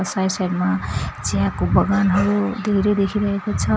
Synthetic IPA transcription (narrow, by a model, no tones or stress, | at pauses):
sajselmat͡siãkobʱʌɡanɦʌɾud̪ʱeɾed̪ekʰiɾʌɦekot͡sʰʌ